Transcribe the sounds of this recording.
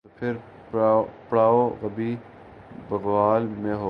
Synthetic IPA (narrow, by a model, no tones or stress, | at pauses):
opʰɪɾ | pɽaːoɣɐbiː | bɐɣʋaːlmẽɦoː